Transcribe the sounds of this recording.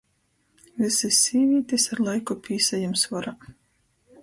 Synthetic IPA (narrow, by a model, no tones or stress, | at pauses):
visisʲːiːvʲiːt̪isaɾlˠajkupʰʲiːsajamsvɔɾa